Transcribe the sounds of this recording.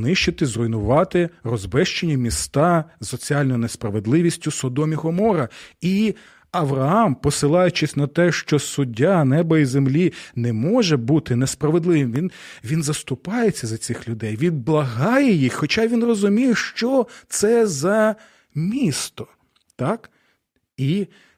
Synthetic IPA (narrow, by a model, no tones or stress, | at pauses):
nɪʃt͡ʃɪt̪ɪzrɔjnʊʋɑt̪ɪrɔzbɛʃt͡ʃenʲːɐmʲist̪ɑzːɔt͡sʲiɑlʲnɔjʊnespɾɐʋed̪lˠɪʋʲisʲtʲʊsɔd̪ɔmʲiɦɔmɔɾɐi | ɐʋɾɐɑmpɔsɪlˠɑjʊt͡ʃɪsʲnɐt̪ɛʃt͡ʃɔsʊdʲːanɛbɐizemlʲinɛmɔʒɛbut̪ɪnespɾɐʋe̞d̪lˠɪʋɪmʋʲinʋʲinzɐst̪ʊpɑjet͡sʲːɐzɐt͡sʲɪxlʲʊd̪ɛjʋʲid̪̚blˠɐɦɑjɛjixxɔt͡ʃɑʋʲinrɔzʊmʲijɛʃt͡ʃɔt̪sɛzɐ | mʲist̪ɔ̥ | t̪ɑk | i